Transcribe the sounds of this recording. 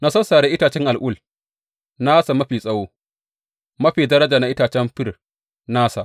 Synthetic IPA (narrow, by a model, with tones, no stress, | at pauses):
na˦sɐ˦saː˨ɽeː˦ʔɪ˦taː˨t͡ʃɛ˦ŋʔa˨lʔʊ˦˨l | na˦sa˨mɐ˦ɸiː˨sʼɐ˦woː˦ | mɐ˦ɸiː˨dɐ˦ɾɐ˦d͡ʒaː˨na˨ʔɪ˦taː˨t͡ʃɛ˦mɸɪ˦r | naː˦sa˨